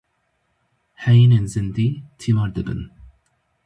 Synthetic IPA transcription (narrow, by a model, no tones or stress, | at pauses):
hɛjineːnzɨnd̪iːt̪ʰivɑːɾd̪ɨbɨ̰n